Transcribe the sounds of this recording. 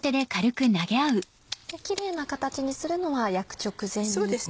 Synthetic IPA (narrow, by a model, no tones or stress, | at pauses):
t̪e̞d̪e̞kaɾɯ̟kɯ̟naɡe̞aɯ̟ | j̪akʲiɾe̞ːnakat̪at͡ɕiɲ̟isɨɾɯ̟no̞βajakɯ̟̥t͡ɕo̞kɯ̟zẽ̞nes